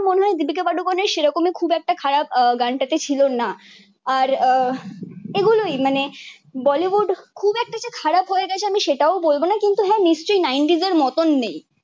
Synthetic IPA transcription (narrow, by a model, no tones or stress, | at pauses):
moneɦɔed̪ibikebaɖokoneɾʃeɾɔkomekʰubɛk̚ʈakʰaɾap̚ɡaɳʈat̪et͡ɕʰilona | aɾ | eɡulojmane | bɔliʋuɖkʰubɛk̚ʈat͡ɕakʰaɾapɦoeɡɛt͡ɕʰeamiʃeʈaobolbonakint̪uɦɛniʃt͡ɕojnajɳʈizeɾmɔt̪onːej